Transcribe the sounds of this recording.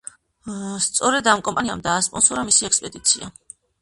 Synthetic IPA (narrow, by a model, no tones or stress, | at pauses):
st̪sʼɔɾɛd̪amkʼɔmpʼaniamd̪aːspʼɔnsɔɾamisiɛkspʼɛd̪it̪sʰia̰